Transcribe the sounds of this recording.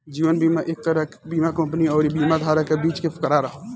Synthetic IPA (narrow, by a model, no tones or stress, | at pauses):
d͡ʒiːʋənbiːmaʔek̚t̪əɾəkbiːmakə̃mpniɔːɾibiːmad̪ʱaːɾakebiːt͡ʃkepʰɪ̥kəɾaɾəɦo